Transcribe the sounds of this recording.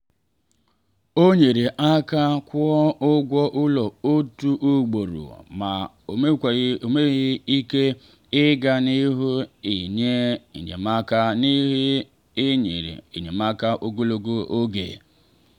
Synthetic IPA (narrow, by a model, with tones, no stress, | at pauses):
o˦ɲe˨ɾe˨ʔa˦ka˦kʷʊ˦ɔ˦ʊ˦ɡʷɔ˦ʔʊ˦lɔ˨o˦tu˦ʔu˦ɡ͡bo˨ɾṵ˨ma˨ | m˦˨o˨me˦ɣɪ˦i˦ke˦ | ɪ˦ɡa˦ni˦ɦu˦i˨ɲe˦ḭ˨ɲḛ˨ma˦ka˦ni˦ɦi˦ | ɪ˦ɲḛ˨ɾḭ˨ḭ˨ɲe˨ma˦ka˦ʔo˦ɡo˦lo˦ɡo˦o˦ɡḛ˨